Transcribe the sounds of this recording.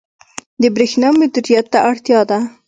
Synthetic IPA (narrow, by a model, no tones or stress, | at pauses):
d̪əbɾexnɑmʊd̪iɾijat̪ːaʔaɽt̪jɑd̪a